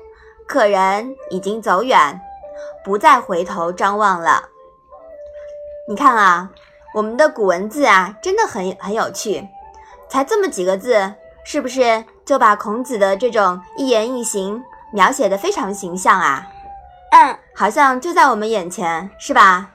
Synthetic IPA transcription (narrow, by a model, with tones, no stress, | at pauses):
kʰɤ˨˩ɻə˧˥ni˨˩t͡ɕi˥ŋt͡so˧˥ʊɥɛ˨˩˦npu˧˥t͡sa˥˩ɪxwe˧˥ɪt̪ʰo˧˥ʊʈ͡ʂɑ˥ŋwɑ˥˩ŋlə̰˩ | ni˨˩kʰa˥˩nɐ˨˩ | wɔ˨˩mə˦nd̪ə˧ku˨˩wə˧˥nt͡sɹ̩˥˩a˩ʈ͡ʂə˥nd̪ə˨xə˧˥nxə˧˥njo˨˩ʊt͡ɕʰy˥˩t͡sʰa˧˥ɪt͡sɤ˥˩mə˩t͡ɕi˨˩ɡə˦t͡sɹ̩˥˩ | ʂɻ̩˥˩bu˩ʂ̬ɻ̩˥˧ | t͡ɕjo˥˩ʊpa˨˩kʰʊ˧˥ŋt͡sɹ̩˨˩d̪ə˦ʈ͡ʂɤ˥˩ʈ͡ʂʊ˨˩ŋi˥˩jɛ˧˥ni˥˩ɕi˧˥ŋmjɑ˧˥ʊɕjɛ˨˩d̪ə˦fe˥ɪʈ͡ʂʰɑ˧˥ŋɕi˧˥ŋɕjɑ˥˩ŋɐ̰˩˥˧ | xɑ˨˩ʊɕjɑ˥˧ŋt͡ɕjo˥˧ʊt͡sa˥˩ɪwɔ˨˩mə˦njɛ˨˩nt͡ɕʰjɛ˧˥nʂɻ̩˥˩ba˩